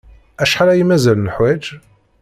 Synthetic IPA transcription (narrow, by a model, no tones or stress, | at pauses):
æʃħalæjimæzælnəħwæd͡ʒ